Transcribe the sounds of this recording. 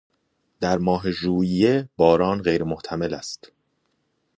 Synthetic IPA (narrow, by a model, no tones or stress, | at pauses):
d̪̥æɾmɒːɦe̞ʒuːijeb̥ɒːɾɒːnɢe̞jɾemoht̪ʰæme̞læ̰st̪